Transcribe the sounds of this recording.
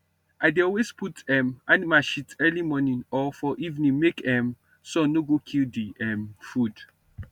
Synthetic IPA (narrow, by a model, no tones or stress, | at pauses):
adeɔlwesputɛmanimaʃitɛlimɔnĩnɔfɔʔivnĩnmekɛm | sɔ̃noɡokʰildiɛmfud